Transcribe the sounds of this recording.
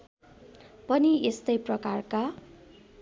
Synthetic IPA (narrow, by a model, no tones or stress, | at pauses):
pʌniest̪ʌjprʌkarka